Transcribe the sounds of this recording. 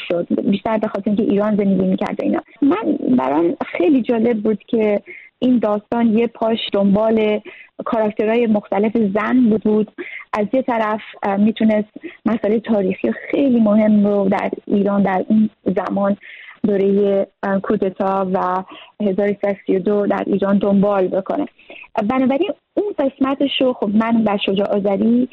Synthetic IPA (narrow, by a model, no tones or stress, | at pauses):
ʃod̪biʃt̪æɾbe̞xɒːt̪ʰeɾiŋcʰe̞ʔiːɾɒːnze̞nd̪eɟʲiːmiːcʰæ̰ɾd̪ḛḭnhɒ̰mænbæ̰ɾɒmxe̞jliːd͡ʒɒːle̞b̚ːuːd̪̥cʰe̞ʔind̪ɒːst̪ɒːnjepʰɒːʃd̪ombɒːle̞kʰɒɾɒkt̪ʰe̞ɾɒːjemoxt̪æle̞fe̞zænbuːd̪̚buːd̪̥ʔæzjet̪ʰæɾæfmiːt̪ʰunest̪mæsʔlejet̪ʰɒːɾiːxijexe̞jliːmohe̞mɾod̪æ̰ɾiːɾɒːnd̪æɾinzæmɒːnd̪oːɾe̞jekʰuːd̪e̞t̪ʰɒːvæhe̞zɒːɾosi̥sæd̪osijo̞d̪od̪æ̰ɾʔḭːɾɒːnd̪o̞mbɒːlbo̞kʰo̰ne̞̰ | bænɒːbæɾin | inɢe̞smæt̪ʰeʃoxobmænbæɾʃo̞d͡ʒɒːʔɒːzæɾi